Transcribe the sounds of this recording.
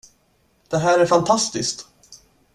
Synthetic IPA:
d̪̥ɛɦæːɾæɾfant̪ʰast̪ɪskt̪

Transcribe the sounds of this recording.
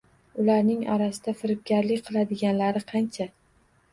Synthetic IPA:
ʊlaɾnɪŋa̰ɾasɪd̪afɪɾɪp̚ɡʲaɾlɪkʲqʰɨlˠad̪ɪɡʲanlaɾɪqʰɑnt͡ʃʰa

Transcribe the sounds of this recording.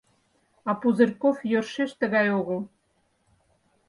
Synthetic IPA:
ɑpuzɘ̆rʲkofjørʃeʃt̪ə̆ɣɑjoɣə̆lˠ

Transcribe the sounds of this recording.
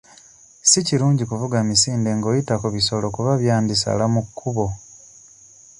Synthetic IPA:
siciɾuːɲɟikuvuɡamisiːnde̞ŋɡo̞ːjitakuβiso̞lo̞kuβaβjaːndisa̰lamukʰːuβo̞

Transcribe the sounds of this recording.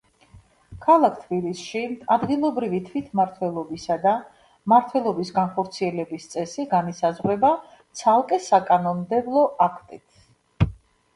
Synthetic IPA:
kʰalˠakʰt̪ʰbilisʃiad̪ɡilˠɔbɾivit̪ʰwit̪ʰmaɾt̪ʰwɛlˠɔbisad̪a | maɾt̪ʰwɛlˠɔbisɡanχɔɾt̪sʰiɛlɛbist̪sʼɛsiɡanisazʁwɛba | t̪sʰalˠkʼɛsakʼanɔnd̪ɛblˠɔʔakʰt̪ʼit̪ʰ

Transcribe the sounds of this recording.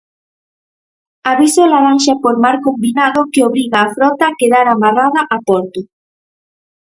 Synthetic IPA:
aβisolaɾanʃapoɾmaɾkombinaðokeoβɾiɣaːfɾɔt̪akeðaɾamaraðaʔapoɾt̪o

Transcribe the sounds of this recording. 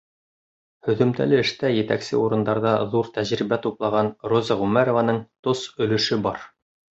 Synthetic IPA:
hɵ̆ðɵ̆mt̪æ̰lɘɘ̆ʃt̪æjɘ̆t̪æ̰ksɘ̰uɾɤ̆nd̪ɑɾðɑðuɾt̪æʑɾibæt̪uplˠɑʁɑnrozɑʁʉmæɾovanɤɴt̪osɵ̆lɵ̆ʃɘbɑɾ

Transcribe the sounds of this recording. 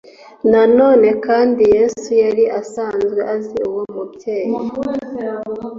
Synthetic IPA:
nano̞ːne̞kaːndije̞sujaɾiʔasaːnzɡe̞̰ʔaziuwomubje̞ːja

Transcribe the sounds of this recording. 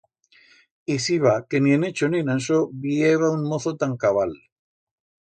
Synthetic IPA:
isiβakenienet͡ʃoninanʃ̬obieβauŋmoθot̪aŋkaβal

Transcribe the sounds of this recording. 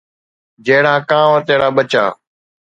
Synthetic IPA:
d͡ʒeːɽãːkãːʋãːt̪eːɽaːɓət͡ʃa̰ː

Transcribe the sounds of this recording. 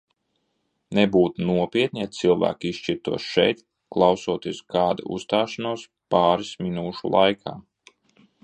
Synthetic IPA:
nebuːt̪unuɔpʲiɛt̪̚nʲijat̪silˠvæ̰ːkist͡ʃiɾt̪uɔsʃɛ̰jt̪ | klˠawsuɔt̪iɛskaːd̪a̰ṵst̪aːʃanuɔs | pɑːɾisminuːʃṵlˠʔajkʰa̰ː

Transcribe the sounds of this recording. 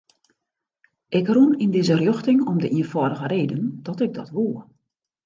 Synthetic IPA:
ʔɪkrunindɪzərjøxtɪŋɔmdəʔiənfɔdəɣəreːdənd̥ɔtɪɡ̚dɔtʋuə

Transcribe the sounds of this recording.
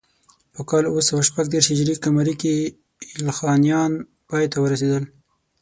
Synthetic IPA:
pəkɑluwəsawaʃpaɡd̪eɾhɪd͡ʒɾikamaɾiki | ɪlxɑnjɑn | pɑjt̪awəɾased̪əl

